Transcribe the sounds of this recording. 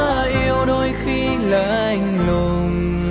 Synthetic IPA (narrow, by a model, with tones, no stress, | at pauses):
a˧ʔi˧əwɗo˧jxi˧ | lə̰ː˧˨ʔa˧˩jŋ̟lo˨˧˩ | n